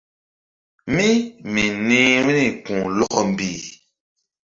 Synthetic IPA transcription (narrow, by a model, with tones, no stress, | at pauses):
mĩ˦mĩ˨nĩ˦wnĩ˦˨kũ˨lɔ˦kɔ˨m̩˨bi˨